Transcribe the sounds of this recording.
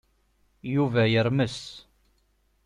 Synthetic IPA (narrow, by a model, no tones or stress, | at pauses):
juvæjəɾməs